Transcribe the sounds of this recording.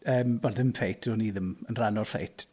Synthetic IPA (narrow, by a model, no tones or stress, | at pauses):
əːmbɔndɪmfʰejtʰɔniːðɪmənranɔrfḛjtʰ